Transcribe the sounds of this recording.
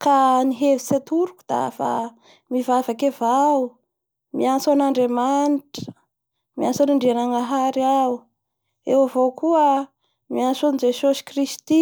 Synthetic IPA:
kaniɦevisat̪uɾukud̪̥a̰fa̰ | mivavakevau | miansanaɳɖ͡ʐemaniʈ͡ʂ | miansaniɳɖ͡ʐianaŋɡaɦaɾiau | ḛwavokuə | miansonid͡ʒesosi̥krist̪i

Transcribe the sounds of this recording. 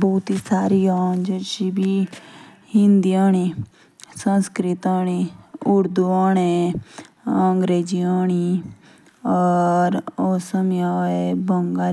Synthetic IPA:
bɔːt̪isaːɾiaːnd͡ʒeʃibi | hɪ̃nd̪ijaːñi | sə̃nskɾɪt̪aːneʊɾd̪uaːne | əŋɡɾeːd͡ʒijaːñi | ɔːɾoːsəmjaːebəŋɡaː

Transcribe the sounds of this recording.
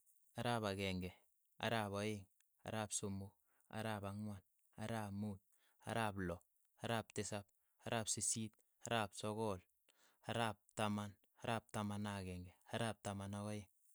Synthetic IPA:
aɾapaɡeŋɡɛ | a̰ɾapojɪŋ | a̰ɾaːpsʊmʊk | a̰ɾapaŋwan | a̰ɾapmut̚ | a̰ɾaplɔ | aɾaːp̚tɪsap̚ | aɾʔaːpsisit̚ | aɾaːpsɔkɔl | aɾap̚taman | aɾap̚tamanaɡɛŋɡeaɾaːp̚tamanakojɪŋ

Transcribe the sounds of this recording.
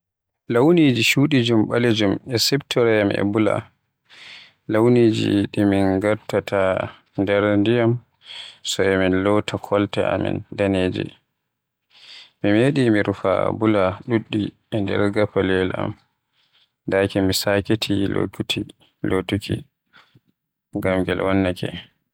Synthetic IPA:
lawnid͡ʒiʃuːɗid͡ʒumɓaled͡ʒumɛsɛptʰɔɾɛjamʔɛ̰bula̰ | lawnid͡ʒḭɗiminɡaɾtatʰa | ndɛɾndijam | sɔɛminlɔtʰakʰɔltɛ̰ʔa̰mḭndaneːd͡ʒɛ̰ | mimeɗimiɾufa̰bulaɗuɗːi | ɛndɛ̰ɾɡapalɛlʔa̰m | dakɛmisaketʰilo̰kuti | lotukʰḭ | ŋɡamɡɛlwanːakɛ̰

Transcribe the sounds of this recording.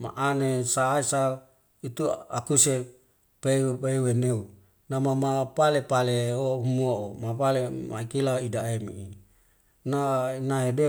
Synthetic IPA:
ma̰ʔanesaːisa | it̪ua̰kuse | pepeeweneu | namamapalepaleoumuaomapalema̰ikilaidaemḭi | nainaɦede

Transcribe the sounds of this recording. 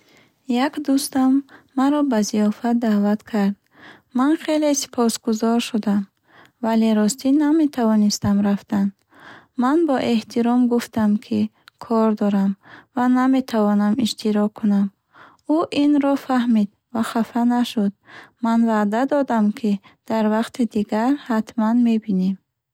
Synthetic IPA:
jakd̪ust̪amː | aɾɔbaziɔfat̪̚d̪aːvat̪kʰaɾd̪ | manχelesi̥pʰɔsɡuzɔɾʃud̪am | valeɾɔst̪iname̞t̪ʰavɔnist̪amɾaft̪anː | anbɔʔe̞ht̪ʰiɾɔmɡuft̪amkʰikʰɔɾd̪ɔɾamvaname̞t̪ʰavɔnamiʃt̪ʰiɾɔkʰːunam | uʔinɾɔfahmid̪ | vaχafanaʃud̪̚manvad̪ad̪ɔd̪amkʰid̪̥aɾvaqt̪ʰid̪iɡaɾhat̪manme̞binem

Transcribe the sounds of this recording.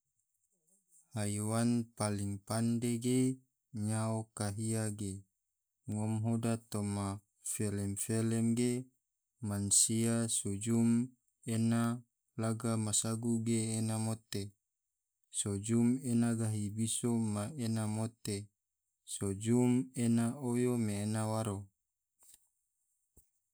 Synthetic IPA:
hajwanpaliŋpandeɡe | ɲaokaɦiaɡe | ŋɔmɦodat̪oma | felɛmfelɛmɡe | mansiasud͡ʒum | ena | laɡamasaɡuɡeːnamot̪e | sod͡ʒumenaɡaɦibisomaenamot̪e | sod͡ʒumenaojomeːnawaɾo

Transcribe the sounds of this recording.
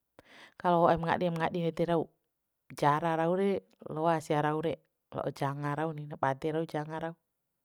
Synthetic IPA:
kaloaʔɛmŋa̰diɛmŋaɗinɛt̪ɛɾau | d͡ʒaɾaɾauɾɛ | loasiaɾauɾɛ | lo̰ʔɔd͡ʒaŋaɾauninapad̪ɛɾaud͡ʒaŋaɾau

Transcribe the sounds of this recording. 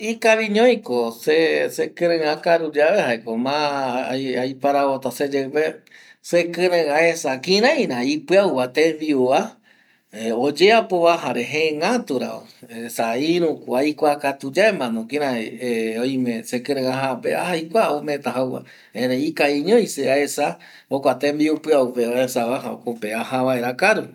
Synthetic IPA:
ikaβiɲõj̃kosesekɨ̃ɾɨ̃ãkaɾud͡ʒaβehaekomã | ajpaɾaβot̪ased͡ʒepe | sekɨ̃ɾẽãesakĩɾãj̃ɾãipɨawwat̪ẽβiua | od͡ʒeapoβaɦaɾeɦẽŋãt̪uɾa̰o̰esaiɾũkʷajkʷakat̪ud͡ʒaemãnõkĩɾãojmẽsekɨ̃ɾẽŋaɦapea̰hajkʷaomẽt̪aɦawwa̰ | ẽɾeikaiɲõjseaesa | okʷat̪embiupɨaupeaesaβaɦao̰kopeahaβaeɾakaɾu

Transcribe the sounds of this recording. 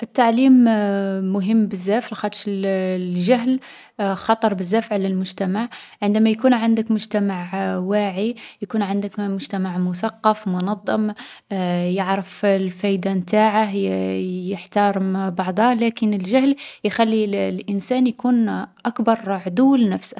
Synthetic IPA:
ʔət̪ːaʕlimː | ʊɦəmːbəzːæflxɑt̪ˤʃ | ʒæɦl | xɑt̪ˤəɾˤbəzːæfʕləlmʊʒt̪æmaʕʕənd̪æmæjkunʕənd̪əkmʊʒt̪æmaʕwaʕijkunʕand̪əkmʊʒt̪æmaʕmʊsɑqːɑfmʊnɑd̪ˤːɑm | jəʕɾəflfæjd̪amt̪aʕah | jəħt̪ɑɾˤbɑʕd̪ˤɑlækənəlʒæhljxælːilʔənsænjkunʔɑkbɑɾˤʕd̪ulnæfs

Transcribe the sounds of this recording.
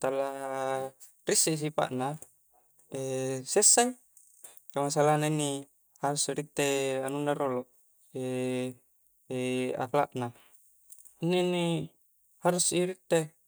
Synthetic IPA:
t̪alːa | ɾisːis̬ipa̰ʔna | esesːaŋ | kamas̬alanainːi | haɾusiɾit̪ːeanunːaɾolo | e | a̰kla̰ʔna | inːenːi | haɾusiɾit̪ːe

